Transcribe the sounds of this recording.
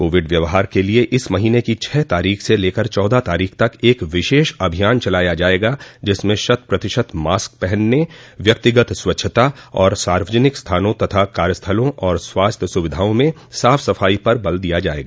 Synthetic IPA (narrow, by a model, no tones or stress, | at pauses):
koːʋɪɖʋjɐʋɦaːɾkelieʔɪsmɐɦiːnekit͡ʃʰɛːt̪aːɾiːxseleːkəɾt͡ʃɔːd̪at̪aːɾiːkʰt̪ɐkeːkʋɪʃeːʃɐbʱijaːnt͡ʃɐlaːjad͡ʒaːeːɡad͡ʒɪsmẽʃɐt̪̚pɾɐt̪ɪʃət̪maːsk̚pɛɦɛnːeʋjɐk̚t̪ɪɡət̪swɐtːʃʰət̪aɔːɾsaːɾʋəd͡ʒənɪkst̪ʰaːnõt̪ɐt̪ʰakaːɾjəst̪ʰəlõʔɔːɾswaːst̪ʰjəsʊʋɪd̪ʱaːõmẽ | saːfsɐfaːipɐɾbɐld̪ijad͡ʒaːḛːɡaː